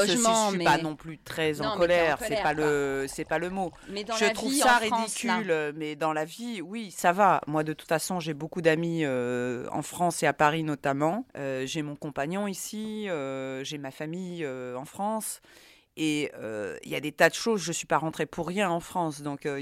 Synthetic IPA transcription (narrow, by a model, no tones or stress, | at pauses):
əssipanɔ̃plyt̪χɛzɑ̃kɔlɛʁsɛpaləsɛpaləmo | mɛd̪ʒət̪χuvaʁid̪ikʲʰylmɛd̪ɑ̃laviwisavamwad̪ət̪u̥t̪fasɔ̃ʒebokud̪amiøɑ̰̃fχɑ̃seapaʁinɔt̪amɑ̃øʒemɔ̃kɔ̃paɲɔ̃isiøʒemafamijøɑ̃fχɑ̃s | eø̰ḭljad̪et̪ad̪əʃozʒəsɥipaʁɑ̃t̪χepʰuʁːjɛ̃ɑ̃fχɑ̃sd̪ɔ̃kø